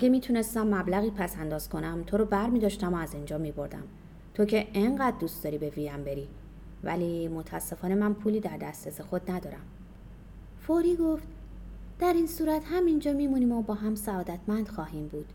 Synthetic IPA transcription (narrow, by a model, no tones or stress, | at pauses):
ʔæɡemiːt̪ʰune̞st̪æmːæblæɣiːpʰæsænd̪ɒːz̥kʰo̞næmt̪ʰo̞ɾɔbæɾmiːd̪ɒːʃt̪æmoæzind͡ʒɒːmibo̞ɾd̪æ̰m | t̪ʰo̞cʰe̞ʔeŋɢæːd̪̚d̪uːst̪ɒːɾiːbe̞vijæmbe̞ɾiː | væ̰limo̞t̪ʰæsːe̞fɒːne̞mænpʰuːliːd̪æɾd̪æst̪esexo̞d̪næd̪ɒːɾæm | foɾiːɡo̞ft̪ | d̪̥æɾiːnsuːɾæt̪hæmind͡ʒɒːmiːmuniːmobɒːɦæmsæɒːd̪æt̪ʰmænd̪̥xɒːɦiːmbuːd̪̥